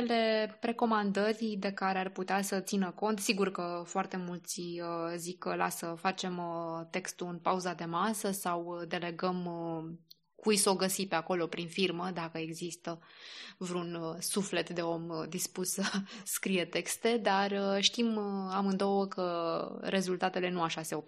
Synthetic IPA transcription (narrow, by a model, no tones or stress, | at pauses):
ele̞ɾe̞ko̞mand̪ərʲd̪e̞kaɾearput̪easət̪sinəko̞nt̪siɡurkəfoart̪e̞mult̪siəzikla̰səfat͡ʃe̞mt̪e̞kst̪uɨnpauzad̪e̞masəsawd̪e̞le̞ɡəm | kujso̞ɡəsipe̞ako̞lo̞pɾinfirməd̪akəe̞ɡzist̪əvɾunsufle̞t̪d̪e̞o̞md̪ispusəskɾije̞t̪e̞kst̪e̞d̪arəʃt̪imamɨnd̪o̞wəkəɾʔe̞zult̪at̪e̞le̞nuaʃase̞op